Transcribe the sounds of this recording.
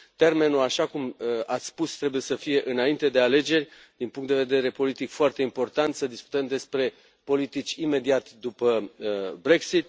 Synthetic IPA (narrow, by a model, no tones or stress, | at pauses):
t̪e̞rme̞nuaʃakumat̪sʲspust̪ɾe̞buje̞səfije̞ʔɨnaint̪e̞d̪e̞ale̞d͡ʒe̞rʲ | d̪̥inpuŋkt̪d̪eved̪e̞ɾe̞po̞lit̪ikfoart̪eimpo̞rt̪ant̪səd̪isku̥t̪əmd̪e̞spɾe̞ | po̞lit̪it͡ʃʲime̞d̪iat̪d̪upəbɾe̞ksit̪